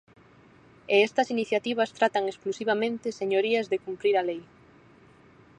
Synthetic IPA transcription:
eɛst̪ɐsiniθjat̪iβ̞ɐst̪ɾat̪aŋesklusiβ̞amẽnt̪ɪseɲoɾiazðekumpɾiɾalej

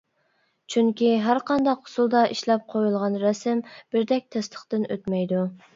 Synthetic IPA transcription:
t͡ʃʰyŋkʲiɦæɾqɑnd̪ɑqʰːʊ̥sulˠd̪ɑʔiʃlɛp̚qʰojulˠʁɑnɾɛsɪmb̥ɪɾd̪ɛk̚ʲt̪ʰɛst̪ʰə̥χt̪ɨnøt̪mɛjd̪u

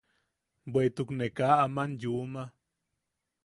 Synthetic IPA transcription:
bwet̪uknekaːmanjuma

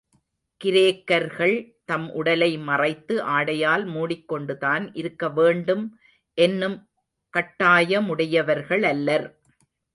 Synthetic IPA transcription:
kɪɾeːkːɐɾɣɐɭt̪ɐmʔʊɽɐlɐɪmɐrɐɪt̪ːɯʔaːɽɐjaːlmuːɽɪkːɔɳɖɯðaːnʔɪɾɯkːɐʋeːɳɖɯm | ʔɛnːɯm | kɐʈːaːjɐmʊɽɐjɐʋɐɾɣɐɭɐlːɐɾ

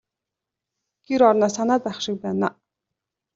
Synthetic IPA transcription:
ɡ̥iɾɔɾnaːsanaːt͡saχʃɪ̆k̚pæːna̰ː

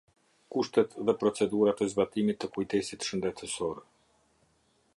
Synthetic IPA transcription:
kuʃt̪ɛt̪ðɛpɾɔt͡sɛd̪uɾat̪ɛzbat̪imit̪ːəkujt̪ɛsit̪ʃənd̪ɛt̪əsɔɾ

